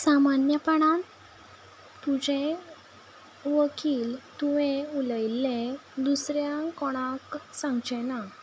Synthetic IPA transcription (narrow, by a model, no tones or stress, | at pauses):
samanjəpəɽ̃a | t̪ud͡ʑẽ | ʋəkʰiːlt̪uʋẽuləjlːẽd̪usɾjãkɔɽ̃ãksãŋɡd͡ʑɛna